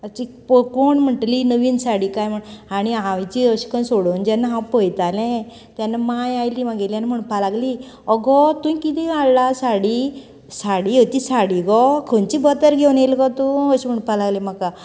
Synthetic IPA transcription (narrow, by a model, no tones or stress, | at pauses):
ət͡ɕipkoɳm̤əʈlinəʋiːnsaɽikajm̤əɳaɽ̃iaʋt͡ɕiəɕi̥kənsoɽond͡ʑanːaɦãwpəjt̪alɛ̃ | t̪janːamajajlimãɡelijanim̤əɳpʰalaɡli | ɔɡɔt̪ũjkit̪iallasaɽi | saɽiot̪isaɽiɡɔkʰənt͡ɕibət̪əɾɡʱewnelkɔt̪uəɕim̤əɳpalaɡlɛ̃maka